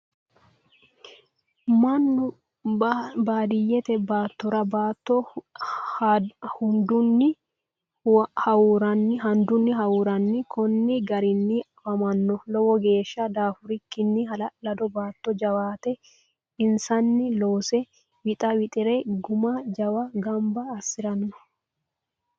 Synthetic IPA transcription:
mɐnːʊ | baːd̪ɪjːɛt̪ɛbaːt̪ːɔɾɐbaːt̪ːɔ | hʊnd̪ʊnːɪ | hɐwɾɐnːɪɦɐnd̪ʊnːɪɦɐwuːɾɐnːɪkʰɔnːɪɡɐɾɪnːɪ | ɐmɐnːɔlɔwɔɡe̞ːʃːɐd̪aːfʊɾɪkːɪnːɪhɐlɐlɐd̪ɔbaːt̪ːɔd͡ʒɐwaːt̪ɛ | ɪnsɐnːɪloːsɛ | wɪt̪ʼɐwɪt̪ʼɪɾɛɡʊmɐd͡ʒɐwɐɡɐmbɐːsɪɾɐnːɔ̥

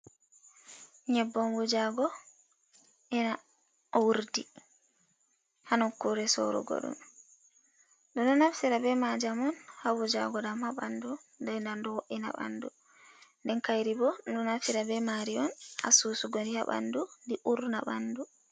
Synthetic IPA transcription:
ɲɛbːɔnwud͡ʒaɡɔ | ʔɛna | wuɾdi | hanɔkuɾɛsɔ̰ɾɔ̰ɡɔ̰ɗṵm | ɗɔnɔnafsiɾabɛmad͡ʒamɔnhawud͡ʒaɡɔɗamhaɓandu | ndajndandɔwoʔina̰ɓa̰ndu | ndɛnkajɾibɔɗunɔnafsiɾabɛmaɾiɔnha̰suːsuɡɔndihaɓa̰ndundiʔuɾnaɓandu

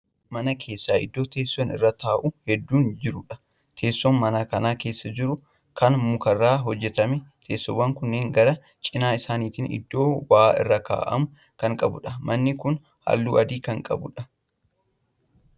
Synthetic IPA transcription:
mɐnɐkʰe̞ːsːaːɪ̰d̪ːo̞ːt̪e̞ːsːɔnɪ̰rːaːt̪aːʔʊhɛd̪ːuːnd͡ʒɪɾʊᶑɐ̥ | t̪ʰe̞ːsːɔnmɐnaːkɐnaːke̞ːsːɐd͡ʒɪɾʊ | kʰɐnmʊkɐrːaːɦɔd͡ʒːɛt̪ɐmɛt̪ʰeːsːɔwːɐŋkʊnːeːŋɡɐɾɐ | t͡ʃʼɪnaːɪsaːniːt̪inɪ̰d̪ːo̞ːwaːɪ̰rːɐka̰ːʔɐ̰mʊ | kɐŋkʼɐ̰bʊᶑɐmɐnːɪkʊn | hɐ̰lːuːʔɐd̪iːkɐŋkʼɐ̰bʊ̰ᶑɐ

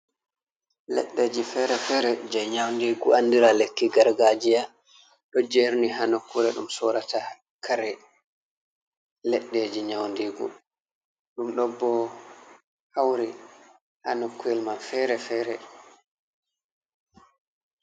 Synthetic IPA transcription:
lɛ̰ɗːed͡ʒifɛɾɛfɛɾɛd͡ʒɛɲawndiːɡuandiɾalekːiɡaɾɡad͡ʒija | ɗɔd͡ʒeɾniɦanokːuɾɛɗṵmsɔɾata | kʰaɾɛ | lɛɗːed͡ʒiɲawndiɡṵ | ɗumɗɔbːɔ | hawɾi | ha̰nokːuɛlmanfɛɾɛfɛːɾɛ

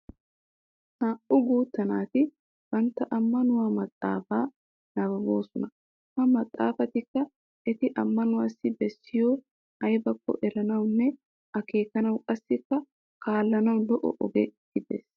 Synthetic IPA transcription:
ʔaːʔʊɡuːt̪ːɐnaːt̪ɪ | b̥ɐnt̪ːɐʔɐmːɐnʊwaːmɐt̪ʼːa̰ːfaː | nɐbɐɡoːsɔnɐ | hɐmɐt̪ʼːa̰ːfɐt̪ɪkːɐ | ʔɛt̪ɪʔɐmːɐnʊwaːsːɪbɛsːɪjoː | ɐjbɐkːɔ̰ʔɛɾɐnɐwnːɛ | ɐkeːkɐnɐwkʼɐsːɪkːɐ | kaːlːɐnɐwlɔʔɔ̰ʔɔ̰ɡeɡ̥ɪd̪ḛːs

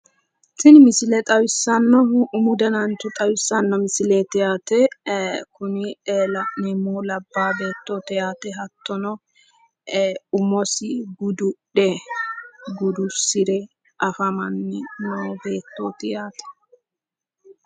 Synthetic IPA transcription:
sɪnmɪsɪlɛt̪ʼɐwɪsːɐnːɔʊmʊd̪ɐnɐnt̪ʊt̪ʼɐwɪsːɐnːɔmɪsɪlet̪ɪjaːt̪ɛkʊnɪlɐnɛmoːlɐbːaːbe̞ːt̪ːoːt̪ɛjaːt̪ɛɦɐt̪ːɔnɔ | ʊmɔsɪɡʊd̪ʊɗɛ | ɡʊd̪ʊsɪɾɛ | ʔɐfɐmɐnːɛnoːbe̞ːt̪ːoːt̪ɪjaːt̪ɛ̥

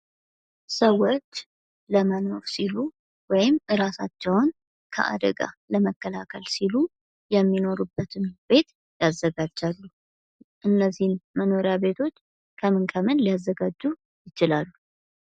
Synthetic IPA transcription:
səwːot͡ʃː | ləməno̞fsilu | wɔjɪmːɨɾasat͡ʃːɛwn | kʰə̰ʔa̰d̪ə̰ɡa̰ləməkːəlakʰəlsilu | jɛmːino̞ɾubːət̪ʰɨnbe̞t̪ | jazːəɡad͡ʒːalːu | ʔɨnːəzːihnməno̞ɾjabe̞t̪ʰo̞t͡ʃː | kʰəmɨnkʰəmɨnliazːəɡad͡ʒːu | jɪt͡ʃɪlalːu

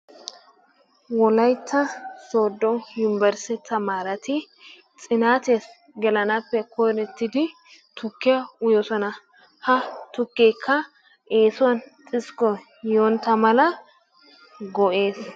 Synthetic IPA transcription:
wɔlɐjt̪ʰːɐso̞ːd̪ːɔjʊnɪbɛɾsɛt̪ːɐmaːɾɐt̪ɪ | t͡sʼɪnaːt̪es | ɡɛlɐnɐpːɛkʰɔjɾɛt̪ːɪd̪ɪ | t̪ʊkːɪjɐʊjɔsɔnɐ | hɐt̪ʊkːɛjkʰːɐ | eːsʊwɐntʼɪskɔ | joːnt̪ːɐmɐlɐ | ɡɔʔe̞ːs

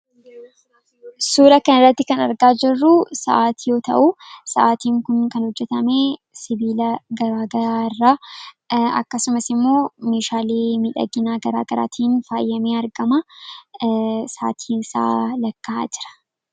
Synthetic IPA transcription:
suːlɐkɐnɪrːɐt̪ːɪkɐnɐɾɡaːd͡ʒɪrːʊsɐʔaːt̪iːjo̞ːt̪ɐ̰ʔusɐʔaːt̪iːŋkʊnkɐnhɔd͡ʒːɛt̪ɐmeː | sɪbiːlɐɡɐɾaːɡɐɾaːɪrːaː | ɐ̰kːɐsʊmɐsɪmːo̞ːmeːʃaːleːmɪᶑɐ̰ɡɪnaːɡɐɾa̰ːɡɐɾa̰ːt̪ʰiːnfaːjːɐmeːɐɾɡɐmɐ | sa̰ːt̪ʰiːnɪsa̰ːlɐkːaa̰ːd͡ʒɪ̥ɾɐ̥

